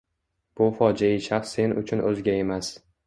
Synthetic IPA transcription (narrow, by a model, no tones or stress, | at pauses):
b̥ʊfɒd͡ʒaɪʃaχsːe̞nʊ̰t͡ʃʰʊnʔɵzɡʲae̞mas